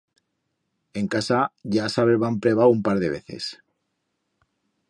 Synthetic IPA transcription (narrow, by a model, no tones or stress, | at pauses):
e̞ŋkasaʝasaβeɾβampɾeβ̞aumpaɾðe̞β̞e̞̰θe̞̰s